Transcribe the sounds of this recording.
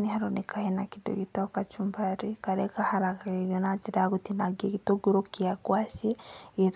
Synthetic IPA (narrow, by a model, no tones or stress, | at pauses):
nihaɾonekʰahenakido̰ɡitakat͡ʃumbaɾikaɾɛkahaɾakaɣeɣjɔnad͡ʒiɾaɡutinaɡeɡitoɡoɾokiakwasieet